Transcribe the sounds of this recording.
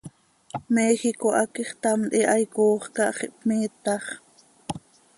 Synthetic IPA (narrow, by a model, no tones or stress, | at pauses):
mɛːxikoʔɑkiχt̪ɑmʔ̪iʔɑjkoːχkɑʔχiʔpmiːt̪ɑχ